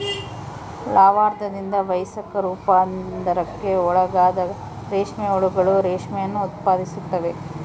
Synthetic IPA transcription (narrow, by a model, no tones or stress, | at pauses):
laːʋaːɾd̪ɐd̪ind̪ɐʋɐjsɐkɐɾupaːd̪ɐɾɐkːe̞ɔɭɐɡaːd̪ɐ | ɾeːʂmɛɔɭuɡɐɭuɾeːʂmɛjɐnːuːt̪̚paːd̪isut̪ːɐʋe